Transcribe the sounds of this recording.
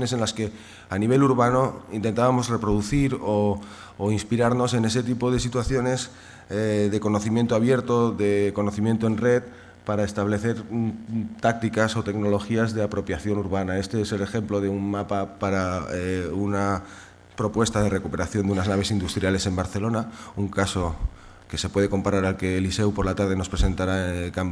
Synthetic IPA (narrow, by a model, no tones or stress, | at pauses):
ne̞se̞nlaske̞ | aniβ̞e̞luɾβano̞int̪ent̪aβamo̞zre̞pɾo̞ð̞uθiɾoː | inspiɾaɾno̞se̞ne̞se̞t̪̬ipo̞ð̞e̞sit̪waθjo̞ne̞s | eðe̞ko̞noθimjent̪oaβ̞je̞ɾt̪o̞ðe̞ko̞noθimje̞nt̪o̞e̞nre̞t̪̚ | paɾaest̪aβle̞θe̞ɾ | t̪ak̚t̪ikaso̞t̪e̞ɡno̞lo̞xiazðe̞apɾo̞pjaθjo̞nuɾβanae̞st̪e̞ese̞le̞xe̞mplo̞ð̞eummapapaɾaeuna | pɾo̞pwe̞st̪að̞e̞re̞kupe̞ɾaθjo̞nd̪unaznaβ̞e̞sind̪ust̪ɾjale̞se̞mbaɾθe̞lo̞nauŋkaso̞ | ke̞se̞pwe̞ð̞e̞ko̞mpaɾaɾalke̞ːlise̞wpo̞ɾlat̪aɾðe̞no̞spɾe̞se̞nt̪aɾakam